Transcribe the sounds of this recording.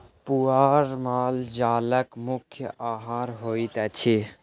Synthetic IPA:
puaːɾmaːld͡ʒaːləkmʊkʰjəaɦaːɾɦoːit̪ɛt͡ʃʰi

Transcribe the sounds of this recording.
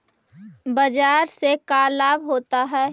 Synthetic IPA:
bəd͡ʒaːɾsekaːlaːbɦoːt̪aɦɛː

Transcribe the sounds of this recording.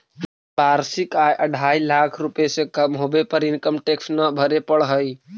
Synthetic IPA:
paɾsikajʔəɖʱailakʰɾupesẽkəmɦobepəɾinkəmʈeksnəbʱəɾepəɽɦəj

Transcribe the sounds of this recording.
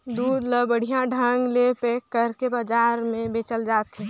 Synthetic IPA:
d̪uːd̪ləbəɽ̤ijãɖʱãŋɡlepekːəɾkebaːd͡ʒaːɾmẽbeːt͡ʃəld͡ʒaːt̪ɦɛ

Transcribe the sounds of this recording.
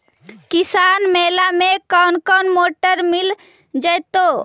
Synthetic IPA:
kisaːnmeːlamekɔʊnkɔnmoʈəɾmil | d͡ʒəjt̪o

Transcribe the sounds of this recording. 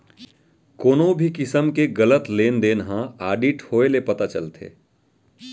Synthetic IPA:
koːnõbʱikɪsəmkeɡɐlət̪leːnd̪eːnɦãaːɖiʈhoːelepɐt̪at͡ʃɐlt̪ʰḛː

